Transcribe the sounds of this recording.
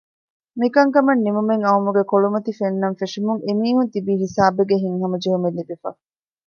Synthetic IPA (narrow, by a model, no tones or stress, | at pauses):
mikɐŋkɐmɐnːimumeŋɐumuɡekoɭumɐt̪ifenːɐnfeʂimuŋemiːɦunt̪ibiːɦisaːbeɡeɦiŋɦɐmɐd͡ʒeɦumelːib̪ifɐ̰